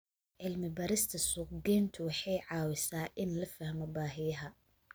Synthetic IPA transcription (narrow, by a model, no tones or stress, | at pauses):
ʕɪlmɪbɐɾɪst̪ʰɐsʊːqdɛːnt̪ʰʊwɑħɑjʕɑːwɪsaːʔɪnlɐfɐhmɔbaːɦɪjɐɦɐ